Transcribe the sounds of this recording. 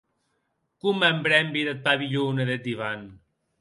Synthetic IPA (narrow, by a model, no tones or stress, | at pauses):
kumembɾɛmbiðet̪̚paβiʎuneðet̪̚d̪iβan